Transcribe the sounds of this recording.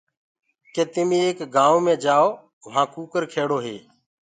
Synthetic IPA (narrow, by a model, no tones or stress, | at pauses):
kẽːt̪ɪmĩːeːkɡaːõːmẽːd͡ʒaːoː | ʋãːkuːkəɾkʰeːɽoːɦeː